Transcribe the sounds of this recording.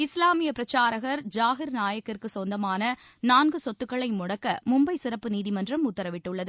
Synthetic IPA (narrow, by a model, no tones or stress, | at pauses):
ɪslaːmɪjɐpɪɾɐt͡ʃːaːɾɐɣɐɾd͡ʒaːɣɪɾnaːjɐkːɪrkɯsɔnd̪ɐmaːnɐ | naːnɡɯsɔt̪ːɯkːɐɭɐɪmʊɽɐkːɐmʊmbɐɪsɪɾɐpːɯniːðɪmɐndrɐmʊt̪ːɐɾɐʋɪʈːɯɭːɐðɯ